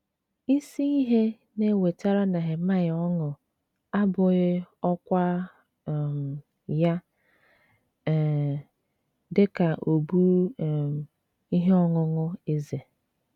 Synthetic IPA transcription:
i˦si˦i˦ɦe˦ | ne˦˨we˨ta˦ɾa˦na˨ɦɪ˨ma˦jɔ˦ŋʊ˨ | a˦bʊ˨ɣɪ˦ɔ˦kʷa˦˨ | m˨ | ja˦˨ | dɪ˦ka˨ʔo˨bu˦˨ | i˦ɦe˦ɔ˦ŋʊ˦ŋʊ˦e˦ze˨

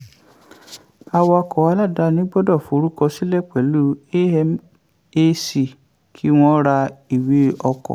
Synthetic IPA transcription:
a˧wɔ˧a˧kɔ˨a˨˧˦la˦˨da˨˦nĩ˨˦ɡ͡bɔ˦dɔ˦˨fo˨˦ɾu˦kɔ˧si˦lɛ˦˨k͡pɛ˨˦lu˦e˦ɛ˧m | e˧si˨ | kʰi˦w̃ɔ̃˦ɾa˧i˨wi˨˦ɔ˧kɔ̰˨

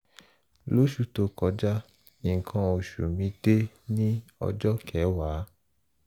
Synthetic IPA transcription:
lo˦ʃu˦to˧kɔ˨˧˦d͡ʒa˦ | ĩ˨ŋ̩˨kʰã˧o˨ʃu˨mĩ˧˦de˦ | nĩ˦ɔ̰˧d͡ʒɔ˦kʰɛ˨˦wa˨˦

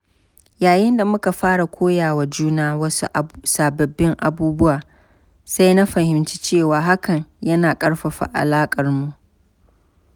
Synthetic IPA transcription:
jaː˨jɪ˦nda˨mʊ˦ka˨ɸaː˦ɽa˨kʷʰoː˦jaː˨wa˨d͡ʒuː˦naː˦wɐ˦su˦ʔsaː˨bɐ˨bːɪ˦ŋʔa˨buː˦bʊ˦waː˨ | sa˦jna˦ɸɐ˨hɪ˨mt͡ʃi̥˦t͡ʃeː˦˨waː˨ɦa˦kɐ˨ŋjɐ˦naː˨kʼɐ˦ɽɸɐ˨ɸa̰˨ʔa̰˨laː˦kʼɐ˨rmu˦ʔ

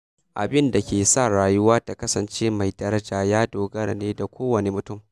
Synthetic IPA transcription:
ʔa̰˨bɪ˦nda˨kʲeː˨sa˦˨ɽaː˨jʊ˦waː˦ta˨kɐ˦sɐ˨nt͡ʃeː˦ma˨jdɐ˦ɾɐ˦d͡ʒaː˨jaː˦doː˨ɡɐ˦rneː˦da˨kʷoː˦wɐ˨ne˨mʊ˨tʊ˦˨m

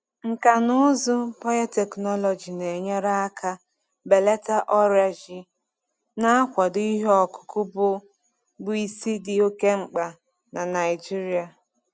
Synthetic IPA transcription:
ŋ̩˨ka˨nʊ˦zʊ˦pɔ˦ja˦te˨knɔ˦lɔ˨d͡ʒi˨ne˨ɲe˦ɾa˦kʰa˦ | be˨le˦ta˦ʔɔ˦ɾa˨d͡ʒi˨ | na˦a˦kʷa˨di˦ɦɔ˨kʊ̥˨kʊ˦bʊ˦ | bʊ˦i˦si˦di˦o˦ke˦ŋ͡m̩˨k͡pa˨ | na˨na˨ɪ˨d͡ʒi˦ɾi˦a˨

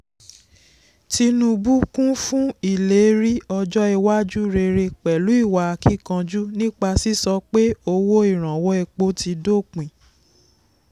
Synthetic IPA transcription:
ti˧nũ˧bu˦kũ˦fũ˦i˦˨le˨˦ɾi˦ɔ˧d͡ʒɔ˦ɛ˧wa˦d͡ʒu˦ɾe˧ɾe˧k͡pɛ˨lu˨˦i˦˨wa˨a˨˧ki˦˨kã˧d͡ʒu˦nĩ˦k͡pa˧si˦sɔ˧k͡pe˦o˧wo˦i˦˨ɾ̃ã˨wɔ˦ɛ˧k͡po˧˦ti˧do˦˨k͡pĩ˨

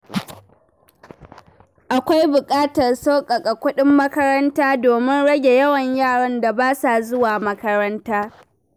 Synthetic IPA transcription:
ʔa˨kʷa˦jbʊ˨kʼaː˦tɐ˨rsa˦kʼɐ˨kʼa˨kʷʊ˦ɗɪ˦mːɐ˦kɐ˦ɾɐ˦ntaː˦doː˨mɪ˦nɽɐ˦ɡʲe˨jɐ˦wɐ˨ɲjaː˦˨ɽɐ˦nda˨baː˦sa˨zʊ˦waː˨mɐ˦kɐ˦ɾɐ˦ntaː˦

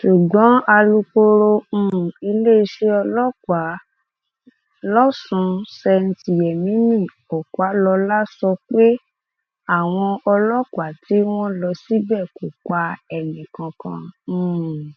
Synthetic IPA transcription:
ʃu˨ɡ͡bɔ̃˨˦a˧lu˧k͡po˧ɾõ˧˨i˧le˦i˧ʃe˧ɔ˧lɔ˦kwa˨˦ | lɔ˦sũ˧˦sɛ˧n̩˧ti˨jɛ˨mĩ˨˦nĩ˦˨ | ɔ˨kwa˨˦lɔ˧la˦sɔ˧k͡pe˦ | a˦˨w̃ɔ̃˧ɔ˧lɔ˦kʷa˨˦ti˨˦w̃ɔ̃˦lɔ˧si˦bɛ˦˨ko˨k͡pa˧ɛ˨nĩ˨kã˧kã̰˧˦˨

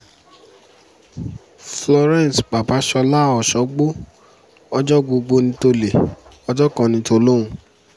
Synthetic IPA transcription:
flɔ˧ɾɛ̃˦˨n˨sba˨ba˨˦ʃɔ˧la˦ɔ˦˨ʃɔ˨˦ɡ͡bo˦ | ɔ˧d͡ʒɔ˦ɡ͡bo˧ɡ͡bo˧nĩ˧to˧le˨ɔ˧d͡ʒɔ˦kã˧nĩ˧to˧lo˦ũ˧

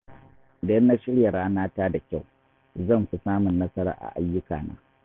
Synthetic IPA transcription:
dɐ˦nːa˦ʃɪ˦ɽja˨ɾaː˦naː˦taː˦da˨kʲa˦˨w | zɐ˦˨nɸi˨saː˦mʊ˨nːɐ˦sɐ˦ɾa̰ː˨˦ʔa̰˨ʔa˦jːʊ˦ka̰ː˨na̰ː˨˦

